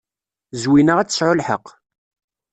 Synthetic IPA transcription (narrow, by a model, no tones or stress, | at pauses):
zwinəʁæt͡sːə̥sʕʊlħə̰q